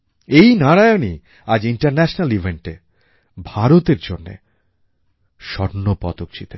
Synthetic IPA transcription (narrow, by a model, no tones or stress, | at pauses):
ejnaɾajoni | ad͡ʑiɳʈaɾnɛʃonalivʱeɳʈe | bʱaɾot̪eɾd͡ʑonːḛ | ʃɔɾnːopɔt̪okt͡ɕʰit̪e